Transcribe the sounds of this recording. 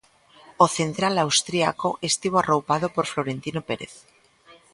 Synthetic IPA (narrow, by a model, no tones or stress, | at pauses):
oθe̞nt̪ɾalawst̪ɾiakoʔest̪iβ̞oarowpaðopoɾfloɾent̪inopeɾḛθ